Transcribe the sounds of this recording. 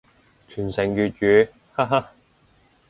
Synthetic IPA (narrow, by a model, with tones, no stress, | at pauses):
t͡ʃʰyː˨˩nsɪ˨˩ŋjyː˨t̚jyː˨˦ | ha˥ɦa˥